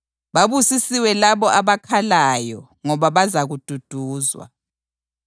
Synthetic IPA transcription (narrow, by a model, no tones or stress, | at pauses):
βaβusisiwɛlaβɔʔaβakʰalajɔ | ŋɔβaβazaɣud̥ʱud̥ʱuːzwa̰